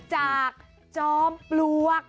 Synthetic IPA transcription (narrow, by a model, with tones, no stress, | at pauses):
t͡ɕaː˨˩k̚ | t͡ɕɔː˦˥mplu˦˧˥ə˩k̚